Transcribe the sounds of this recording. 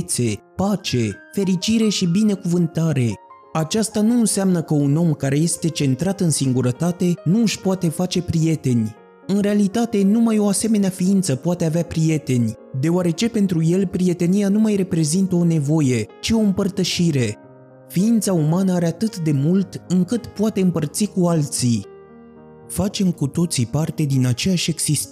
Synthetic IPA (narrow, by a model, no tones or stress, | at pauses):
t̪se̞pat͡ʃe̞fe̞ɾit͡ʃiɾe̞ʃibine̞kuvɨnt̪aɾe̞ | at͡ʃast̪anunseamnəkəuno̞mkaɾe̞je̞st̪e̞t͡ʃe̞nt̪ɾat̪ɨnsiŋɡuɾət̪at̪e̞nuɨʃpoat̪e̞fat͡ʃe̞pɾije̞t̪e̞nʲ | ɨnɾe̞alit̪at̪e̞numajo̞ase̞me̞neafiint̪səpoat̪e̞aveapɾije̞t̪e̞nʲ | d̪e̞oaɾe̞t͡ʃe̞pe̞nt̪ɾuje̞lpɾie̞t̪e̞nijanumajre̞pɾe̞zint̪əo̞ne̞vo̞je̞t͡ʃio̞ɨmpərt̪əʃiɾe̞ | fiint̪saumanəaɾe̞at̪ɨt̪d̪e̞mult̪ɨŋkɨt̪poat̪e̞ɨmpərt̪sikualt̪si | fat͡ʃe̞mkut̪o̞t̪sipart̪e̞d̪inat͡ʃejaʃʲe̞ɡsist̪